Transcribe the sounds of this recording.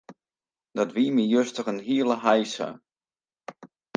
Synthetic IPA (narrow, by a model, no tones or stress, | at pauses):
d̥ɔtʋiːmijøstəχənɦiəlˠəɦajsə̰